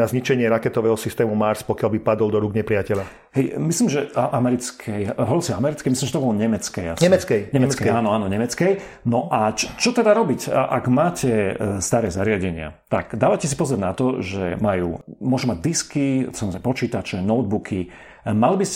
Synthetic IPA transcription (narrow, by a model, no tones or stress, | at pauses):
azɲit͡ʃɛɲɪɛɾakɛt̪ɔʋɛːɦɔsist̪ɛːmumaɾspɔkɪalbipad̪ɔlˠd̪ɔɾuɡɲɛpɾɪacɛla | ɦɛjmisliːmʒɛʔamɛɾit͡skʰɛjɦɔɔɾsiamɛɾit͡skɛmislimʒɛt̪ɔbɔlɔɲɛmɛt͡skɛjasɛmɛkɛɲɛmɛkaːnɔaːnɔɲɛmɛt͡skɛj | nɔʔat͡ʃt͡ʃɔt̪ɛd̪aɾɔbicʔaɡmaːcʰɛst̪aɾɛːzaɾɪaɟɛɲɪa̰t̪aɡd̪aːʋacɛs̬ipɔzɔɾnat̪ɔʒɛ̰majṵːmʊɔʒumaɟ̚d̪iskisamɔzɾɛpɔt͡ʃiːt̪at͡ʃɛnɔʊd̪̚bukʰi | malibis